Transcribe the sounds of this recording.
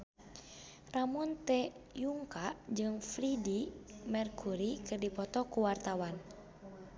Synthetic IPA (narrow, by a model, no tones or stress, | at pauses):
ramunt̪ɛjuŋkad͡ʒɨŋflidimɛrkʰuɾikɨrdipɔt̪ɔkuwart̪awan